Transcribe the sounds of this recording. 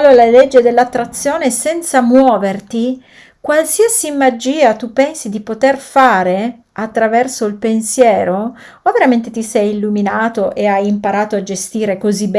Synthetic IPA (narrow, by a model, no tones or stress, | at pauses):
lːolaled͡ʒːed̪elːat̪ːɾat̪sːjoːnesɛnt̪samwɔːvert̪i | kwalsiasimad͡ʒiːat̪upːɛnsid̪ipot̪erfaːɾe | at̪ːɾavɛrsoilpensjɛːɾo | oveɾament̪et̪isɛjilːuminaːt̪oʔeajimpaɾaːt̪oad͡ʒest̪iːɾekozib